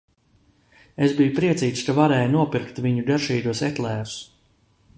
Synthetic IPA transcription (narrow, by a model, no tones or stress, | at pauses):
ezbijupɾiɛsiːt̪skavaɾɛːjnuɔpiɾkt̪viɲud̪ɛɾʃiːd̪uɔsɛt̪lˠɛːɾu̥s